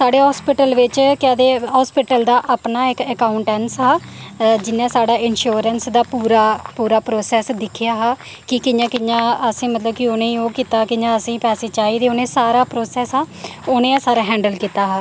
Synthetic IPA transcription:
saːɖeːɦɔːspɪʈəlʋɪt͡ʃkɛːd̪eːɦɔːspɪʈəld̪aːʔaːpnaːɪkəkaːʊɳʈɛnsɦaːd͡ʒɪnːãːsaːɖaːʔɪnʃuːɾənsd̪aːpuːɾaːpuːɾaːpɾoːsɛːsd̪ɪkʰːɪjaːɦaː | kɪkɪjãːkɪjãːəsĩːmət̪ləbkɪoːnẽːoːkiːt̪aːkɪɲãːəsĩːpɛːseːt͡ʃaːiːd̪eːoːnẽːsaːɾaːpɾoːsɛːsɦaːoːnẽːãːsaːɾaːɦɛ̃ːɳɖəlkiːt̪aːɦaː

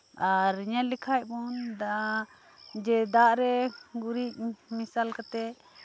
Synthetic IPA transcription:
aɾɲalikʰaj̚bɔnd̪aʔa | d͡ʒɛd̪aʔɾɛɡuɾic̚misalkat̪ɛ

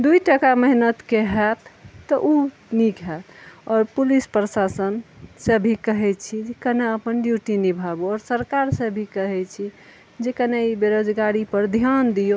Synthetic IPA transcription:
d̪uiʈəkaməɦnət̪keɦɛt̪ːɔʔu | nikɦɛt̪ɔːɾpulispɾəsasənsəbʱikəɦɛt͡ʃʰid͡ʒekəneəpənɖjuʈinibʱabuɔːɾsəɾkaɾsẽbʱikəɦɛt͡ʃʰi | d͡ʒekəneibeɾod͡ʒɡaɾipəɾd̪ʱjand̪ijo

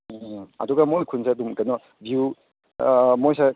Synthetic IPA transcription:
ɐ̰duɡamojkʰunsaɐdumkɐnɔ | bju | mojsa

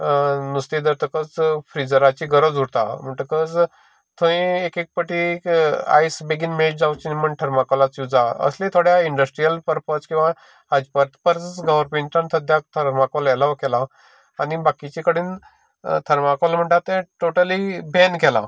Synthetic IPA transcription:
nust̪id̪əɾt̪əkət͡sfɾid͡zəɾat͡ɕiɡəɾəd͡zuɾt̪a̰m̤əɳʈ̪əkəd͡z | t̪ʰõĩekek̚pəʈika̰jsbeɡinmeɭʈ̚d͡zawt͡ɕiniməɳʈʰəɾmakolat͡sjud͡zaə̰slẽt̪ʰoɽjaiɳɖəsʈɾijəlpəɾpət͡skĩw̃ʋa | ad͡ʑpəɾt̪pəɾt͡st͡sɡəʋəɾpẽɳʈant̪ʰəd̪ʱjak̚t̪ʰəɾmakolɛlaʋkɛlaː | nibakit͡ɕikəɽiːn | t̪ʰəɾmakolm̤əɳʈ̪at̪ɛ̃ʈoʈəlibenkɛla̰

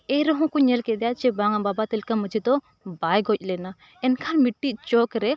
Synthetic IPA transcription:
eɾɔɦɔ̃kuɲɛlkɛd̪ɛjat͡ʃɛbaŋababat̪əlkaməd͡ʒit̪ɔ | bajɡɔc̚ʲlɛna | ɛnkʰanmiʈːit͡ʃɔkɾɛ

